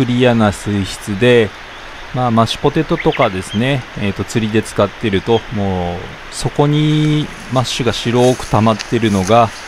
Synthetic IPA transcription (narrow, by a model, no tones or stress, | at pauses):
kɯ̟ɾʲijanasɨiɕi̥t͡sɨd̪e̞ | maːmaɕi̥po̞t̪e̞t̪ːo̞t̪o̞kad̪e̞sɨne̞ːt̪ːo̞t͡sɨɾʲid̪e̞t͡sɨ̥kat̪ːe̞ɾɯ̟t̪o̞mo̞ː | so̞ko̞ɲ̟i | maɕɨɡaɕiɾo̞ːkɯ̟̥t̪amat̪ːe̞ɾɯ̟no̞ɡa